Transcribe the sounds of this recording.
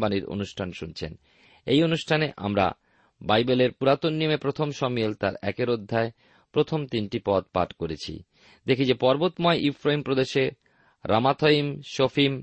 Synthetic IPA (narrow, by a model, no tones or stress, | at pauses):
baniɾo̰nuʃʈʰanʃunt͡ɕʰḛn | ejonuʃʈʰaneʔa̰mɾa̰ | bajbeleɾpuɾat̪onːimepɾot̪ʰomʃɔmielt̪aɾɛ̰keɾod̪ʱːae | pɾot̪ʰomt̪inʈipɔd̪̚pa̰ʈkoɾet͡ɕʰḭ | d̪ekʰid͡ʑepɔɾbot̪mɔeʔifɾaimpɾod̪eʃe | ɾʔamat̪ʰoimʃofʰim